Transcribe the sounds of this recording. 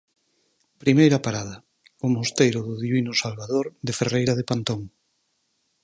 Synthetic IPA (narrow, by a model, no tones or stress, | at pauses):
pɾimejɾɐpaɾaðɐ | ʊmost̪ejɾʊðʊðiβinʊsalβaðoɾðeferejɾaðepant̪oŋ